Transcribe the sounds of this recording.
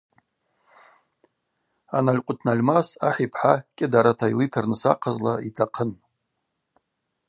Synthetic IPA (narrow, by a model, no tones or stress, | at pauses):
analʲqʷʼʊtʰnalʲmasaħipʰħakʲʼɪdaɾatʰailitʰarnɨsa̰qʰazlaitʰaqʰən